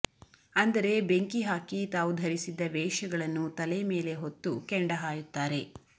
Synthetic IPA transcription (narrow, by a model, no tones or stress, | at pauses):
ɐnd̪ɐɾe̞be̞ŋkiɦaːkit̪aːʋud̪ʱɐɾisid̪ːɐʋɛːʂɐɡɐɭɐnːut̪ɐlejɐme̞ːle̞ɦot̪ːukɛɳɖɐɦaːjut̪ːaːɾe̞